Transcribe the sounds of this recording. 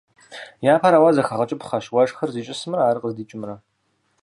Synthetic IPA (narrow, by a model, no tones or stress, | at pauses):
jaːpʰaɾaːwazɐxɐʁɐt͡ʃʼɪpχɐʃwɐʂxɐrziːt͡ʃʼɪsɨmɨraːɾɨqəzdiːt͡ʃʼɪmrɐ